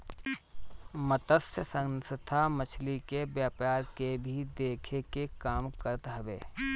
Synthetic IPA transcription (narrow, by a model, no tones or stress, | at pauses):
mət̪əsjəsə̃ŋsət̪ʰamət͡ʃʰlikebjaːpaːɾkebʱid̪eːkʰekekaːmkəɾət̪ɦɐʋḛː